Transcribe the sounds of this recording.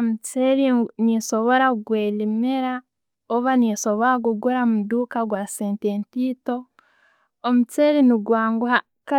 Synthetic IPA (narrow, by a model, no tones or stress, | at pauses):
mut͡seɾiniso̞βo̞ɾaɡweːlimeɾa | oβaniso̞βoɾaɡuɡuɾamuduːkaɡwaseːnteːntiːto̞ | omut͡seɾiniɡwaːŋɡuha | ka